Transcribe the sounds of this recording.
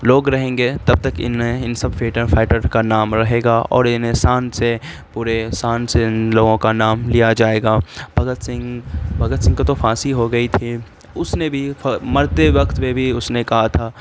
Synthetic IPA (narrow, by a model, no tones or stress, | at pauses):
loːɡɾɐɦẽːŋɡet̪ɐb̚t̪ɐkɪ̰nɦẽɪnsɐbfeːʈəɾfaːɪʈəɾkanaːmɾɐɦeːɡaʔɔ̰ːɾɪnesaːnse | puːɾesaːnsenloːɡõkanaːmlijad͡ʒaːeːɡaːbʱɐɡət̪sɪ̃ŋɡbʱɐɡət̪sɪ̃ŋɡkot̪ofaːsiɦoɡɐit̪ʰi | ʊsnebʱimɐɾt̪eʋɐkt̪mebʱiʊsnekɐɦat̪ʰaː